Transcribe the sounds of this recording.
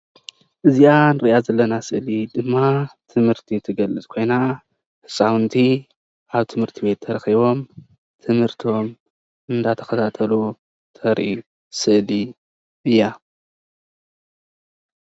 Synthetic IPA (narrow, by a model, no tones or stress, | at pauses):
ʔɨzianɨɾiʔazɐlːɐnasɨʔlid̪ɨmːat̪ʰɨmhɨɾt̪ʰit̪ʰɨɡɐlːɨt͡sʼkʰo̞jna | hɨsʼawɨnt̪ʰi | ʔaβt̪ʰɨmhɨɾt̪ʰibe̞t̪ʰːɐɾɐxiβo̞m | t̪ʰɨmhɨɾt̪ʰo̞m | ɨnd̪at̪ʰɐ̥xɐt̪ʰat̪ʰɐlu | t̪ʰɐɾʔḭ | sɨʔli | ɨjːa